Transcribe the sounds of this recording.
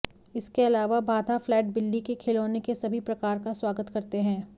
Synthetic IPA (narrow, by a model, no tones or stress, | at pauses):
ɪskeɐlaːʋabʱaːd̪ʱaflɛːʈ̚bɪlːikekʰɪloːnekesɐbʱipɾɐkaːɾkaswaːɡət̪kɐɾt̪eɦɛ̃ː